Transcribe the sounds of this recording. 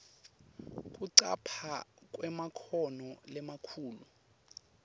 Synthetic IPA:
kʼuǀa̰pʰak̬ʼwɛmakʰɔnɔlɛmakʰuːlu

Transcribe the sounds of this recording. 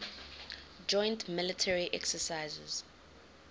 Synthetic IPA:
d͡ʒɔ̃j̃ntmɪlitʰɛɹiʔɛksəsajzɛ̰z̥

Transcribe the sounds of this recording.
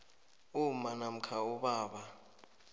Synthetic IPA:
umanam̩kʰauɓaːɓa

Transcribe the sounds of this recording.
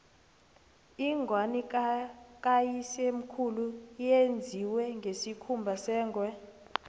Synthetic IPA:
iŋɡʱwani | k̬ʼajisem̩kʰulujend͡zʱiwɛŋɡʱesikʰumbʱasɛːŋʱwɛ

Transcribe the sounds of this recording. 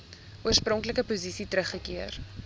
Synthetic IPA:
uərsprɔŋkləkəpuzisitrəχːəkiər

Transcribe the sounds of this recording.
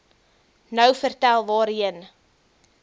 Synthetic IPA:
nœwfərtælˠvɑːɾiən

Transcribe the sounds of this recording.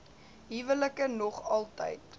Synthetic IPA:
ɦivələkənɔχɐlˠtə̰jt

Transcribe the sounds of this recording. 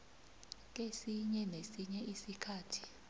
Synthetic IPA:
k̬esiɲɛnesiɲɛʔisikʰaːtʰi̥

